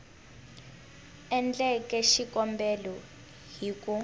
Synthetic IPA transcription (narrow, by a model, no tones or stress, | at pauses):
ɛnd͡ɮɛkɛʃikɔmbɛlɔ | ɦiku